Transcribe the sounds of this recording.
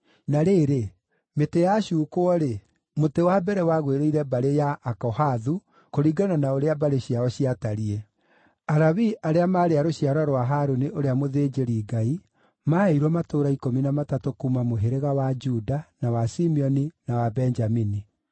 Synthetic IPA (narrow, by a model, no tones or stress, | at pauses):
naɾeɾe | metejaɕuːkoɔɾe | motewabɛɾɛwaɣweɾeiɾɛbaɾejaʔːkɔhaðu | koɾiɡananaoɾeabaɾeɕiaɔɕiataɾiɛ | aɾaβiʔaɾeamaɾeaɾoɕiaɾɔɾwaɦaɾoniʔoɾeamoðed͡ʒeɾiːɡai | maeiɾwɔmatoːɾaikominamatatokuːmamoɦeɾeɣawad͡ʒudanawasimiɔninawabɛnd͡ʒamini